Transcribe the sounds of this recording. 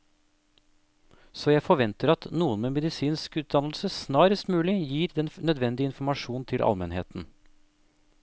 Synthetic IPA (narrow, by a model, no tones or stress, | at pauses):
soːjæɪfɔʋɛnt̪əɾɑt̪nuːənmeːmɛd̪ɪsiːnskʉːt̪̚d̪ɑnlsəsnɑːɾəst̪mʉːlɪjiːɾd̪ɛnnœd̪ʋɛnd̪ɪɪnfʊɾmɑʂuːnt̪ʰɪlʔɑ̰lmɛnhḛːt̪n̩